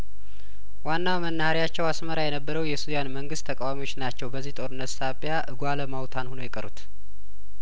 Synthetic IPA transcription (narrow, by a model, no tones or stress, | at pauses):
wanːawmənːəhaɾijat͡ʃːɛwasməɾajɛnəbːəɾəwjɛsudjanməŋɡɨst̪ʰːəkʼawamio̞t͡ʃːnat͡ʃːɛwbəzːiht̪ʼo̞ɾɨnːət̪sapʼːijaʔɨɡʷaləmawt̪ʰanhonojɛkʼə̰ɾut̪